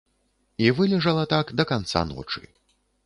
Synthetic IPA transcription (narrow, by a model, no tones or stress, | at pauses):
ivɨlʲɛʐɐlˠɐt̪akd̪ɐkant̪sa̰nɔ̰t͡ʂɨ̰